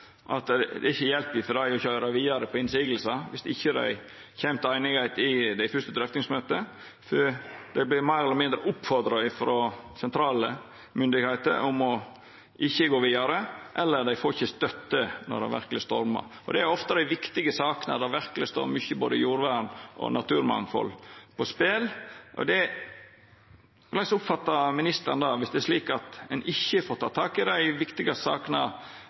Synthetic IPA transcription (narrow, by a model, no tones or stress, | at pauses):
ʔɑt̪d̪ɛ̰ɪçːəjɛlpɪfɔɾd̪æɪɾjʊɪçød̪æɪʋiːɑɾəpʰɔɪnsiːɡəl̩sɑʋɪsɪçːəd̪æ̰ɪ | çɛmt̪əæɪnɪɡæɪt̪ɪd̪æɪfʉʂt̪əd̪ɾɛft̪ɪŋsmøːt̪ə | fd̪ɛɪblɪmæɪɾɛlːɾmɪnd̪ɾəʔʊpfɔɾd̪ɾɑɪfɾosɛnt̪ʰɾɑːlə | mʏnd̪ɪɡhæɪt̪ə̰ɾʊmɔ | ʔɪçːəɡoːʋiːɑɾəʔɛlːəɾd̪æɪfoːɾɪçːəst̪œt̪ːənɔ̰ɖ̪æɛ̰ʋæ̰ɾkəlɪst̪ɔɾmɑ̰ | ɔd̪ɛæɾɔft̪əd̪æɪʋɪkt̪ɪɡəsɑːkənɑ̰d̪æɾʋæɾkəlɪst̪o̰ːɾmʏçəboːd̪əjuːɾʋæɳʔɔ̰nɑt̪ʉːɾmɑ̰ŋfɔ̰lpʰɔspeːlʔɔ̰d̪ɛ | lɑɪsʊpfɑt̪ːɑmɪnɪst̪əɾnd̪ɑːʋɪsd̪ɛæʂliːkɑt̪ɛnɪçːəfoːɾt̪ʰɑːt̪ʰɑːkɪd̪æɪʋɪkt̪ɪɡɑssɑ̰ːknɑ